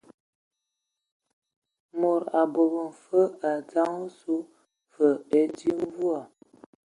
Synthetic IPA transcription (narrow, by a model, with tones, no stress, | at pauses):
mo˨ɾa˨bo˨bə˨n̩˨fə˦a˨d͡za˦ŋo˦su˦ | fə˨e˦di˦m˦vu˦a˨